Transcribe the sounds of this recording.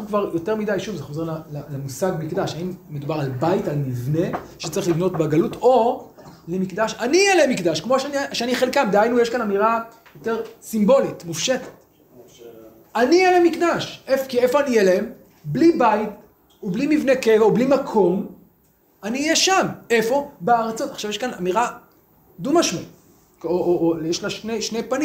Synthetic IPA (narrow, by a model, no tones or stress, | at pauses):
aukvaʁjo̞teʁmidajʃuvzeχoze̞lalalemusaɡmikd̪aʃaimːed̪ubaʁalbaitalmivne̞ʃe̥t͡saʁiχlivno̞t̚beɡalutʰo̞lemikd̪aʃanijɛleemikdaʃkmo̞ʃnʃeaniχe̞lkamd̪eajnujeʃkanamiʁa | jo̞te̞ʁsimbo̞litmufʃete̥t | anijɛlemikdaʃʔefkiefo̞anijɛleem | blibait | ublimivnekevaublimakʰo̞m | aniːjɛʃame̞fo̞beaʁat͡so̞taχʃavjeʃkanamiʁa | d̪umaʃmo | oʔojɛʃlaʃneʃnejpanĩ